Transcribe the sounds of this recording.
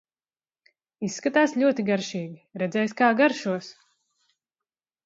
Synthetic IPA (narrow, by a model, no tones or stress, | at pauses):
isːkat̪aːsʎʲuɔt̪iɡaɾʃiːɡʲiɾɛd̪zɛjskaːɡaɾʃuɔs